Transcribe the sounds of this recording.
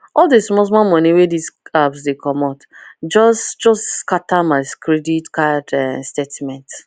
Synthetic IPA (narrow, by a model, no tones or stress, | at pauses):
ɔldesmɔs̬mamɔniwedisabsdekʰɔmɔtd͡ʒɔsd͡ʒɔskatamaɪskɾeditkadɛstetmɛ̃nt